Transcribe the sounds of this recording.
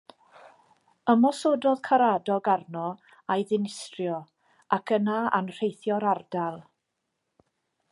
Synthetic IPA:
əmɔsoːdɔð̥kʰaɾadɔɡarnɔ | ajðɪnɪstrjɔ | akʰənaa̰nr̥ejθjɔɾardalˠ

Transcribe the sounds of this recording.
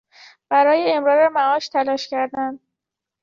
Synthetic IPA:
b̥æɾɒːjeemɾɒːɾemæɒːʃt̪ʰælɒːʃcʰæɾd̪ænd̪

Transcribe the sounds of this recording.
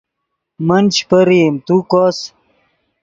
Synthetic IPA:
mɐnt͡ɕpəɾimt̪ukoːs

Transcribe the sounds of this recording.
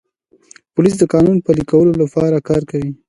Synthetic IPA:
pʊlis̬d̪əkɑnunpəlikawəlolapɑɾakɑɾkawi

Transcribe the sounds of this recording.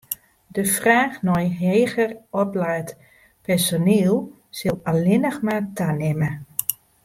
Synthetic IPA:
dəfraːxnɔjɦeːɣərɔplaːt | pɛrsoniːlˠ | sɪlˠalɪnəxmatʰanɪmə

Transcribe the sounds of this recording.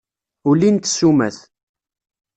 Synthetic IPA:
ulint̪sumæ̰θ

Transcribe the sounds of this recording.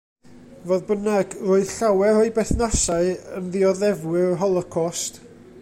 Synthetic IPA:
voːðbənaɡrʊɨðɬawɛrɔɨbɛθnasaɨənðiɔðɛvwɪrɦɔlˠɔkʰɔst

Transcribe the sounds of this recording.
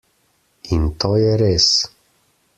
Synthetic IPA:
int̪oːjɛɾeːs

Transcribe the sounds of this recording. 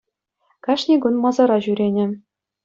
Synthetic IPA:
kɑʂnʲiɡunmɑzɑɾɑʑyɾʲenʲɘ̆

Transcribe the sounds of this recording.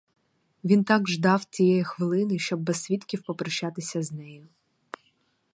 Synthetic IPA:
ʋʲint̪ɑɡʒd̪ɑwt͡sʲijɛjixʋɪlˠɪnɪʃt͡ʃɔbːɛsʲsʲʋʲit̪kʲiwpɔpɾɔʃːɑt̪ɪsʲɐznɛjʊ

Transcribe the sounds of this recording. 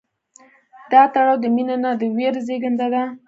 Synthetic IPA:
d̪̥ɑt̪aɽɑwd̪əminanad̪əweɾzeɡənd̪ad̪a

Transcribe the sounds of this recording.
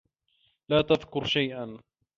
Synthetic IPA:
laːt̪aðkʊɾʃajʔan

